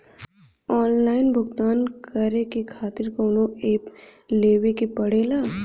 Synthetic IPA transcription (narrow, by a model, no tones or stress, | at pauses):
ɔːnlaːɪnbʱʊɡt̪aːnkɐɾekekʰaːt̪ɪɾkoʊnõeːpleːʋekepɐɽ̤eːlaː